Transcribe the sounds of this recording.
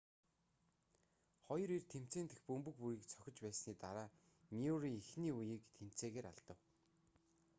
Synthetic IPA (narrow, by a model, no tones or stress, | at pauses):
χɔjɞ̆ɾirt̪ʰem̥t͡seːnt̪ɘ̆xpɵmpɵ̆kpujiːkt͡sʰɔ̥xʲɪ̆t͡ɕpæːsniːt̪aɾaː | mʲioɾiːŋixniːujiːkt̪ʰem̥t͡seːɣeːɾa̰ɮt̪ə̆w